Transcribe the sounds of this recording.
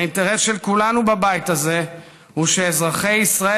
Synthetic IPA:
inteʁesʃelkulanubabajtaze̞ | huʃe̞ːzʁaχe̞jisʁae

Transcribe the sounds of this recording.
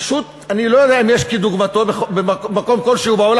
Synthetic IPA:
aʃut̪̚ | anilo̞jod̪eaimjeʃkid̪uɡmat̪o̞bexobemmako̞mko̞lʃehubaol

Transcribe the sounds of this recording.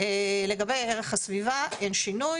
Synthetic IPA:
ele̞ɡabejeʁeχasvivaenʃinuj

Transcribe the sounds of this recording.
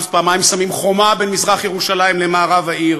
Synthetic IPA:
fpaːmajimsamimχo̞mabenmizʁaχjeʁuʃalaimlemaːʁavaiʁ

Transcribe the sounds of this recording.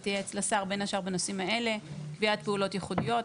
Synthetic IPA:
t̪ijeːt͡slasaʁbe̞naʃaʁbenosimae̞le̞kviat̚peulo̞tjeχudijo̞

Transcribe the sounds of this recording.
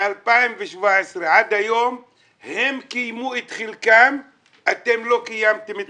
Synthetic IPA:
alpaimveʃvaʕesʁeʕad̪hajo̞m | he̞mkijmuet̪χilkam | ʔat̪e̞mlo̞kajamt̪emet̪

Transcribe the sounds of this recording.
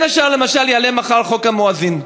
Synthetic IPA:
naʃalemaʃaljalemaχalχokamoazin

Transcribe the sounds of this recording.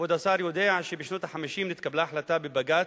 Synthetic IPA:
wɪd̪asˤɑːɾjʊd̪eːʕaʃibiːʃnut̪ˤaħamːɪʃiːmnɪt̪kablaħlat̪abɪbaɡaːt̪

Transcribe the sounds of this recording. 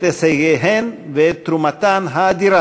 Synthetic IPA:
t̪eseɣeɦenvet̪ɾumat̪anɦad̪iɾa

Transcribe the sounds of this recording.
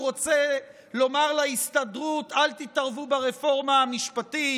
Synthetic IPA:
ʁo̞t͡se | lo̞maʁlaist̪adʁut̪alt̪it̪aʁvubeʁefo̞ʁmaːmiʃpati

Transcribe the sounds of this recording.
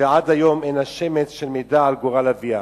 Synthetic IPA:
vead̪hajo̞menhaʃemet͡sʃelmejd̪aːlɡoʁalavia

